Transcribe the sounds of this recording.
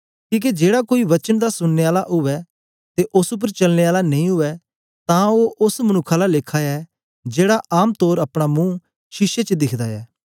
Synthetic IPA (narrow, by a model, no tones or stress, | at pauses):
kĩːk̬ed͡ʒeːɽakoːiʋɐt͡ʃənd̪asʊnːeːaːlaʔʊʋɛ | t̪eʔʊsʊp̬əɾt͡ʃɐlneːaːlanɐĩɦʊɛ | t̪ãːoːʔʊsmənʊkʰːaːlaleːkʰaɛ | d͡ʒeːɽaʔaːmt̪oːɾəpɽ̃amũː | ʃɪʃet͡ʃd̪ɪkʰd̪aɛː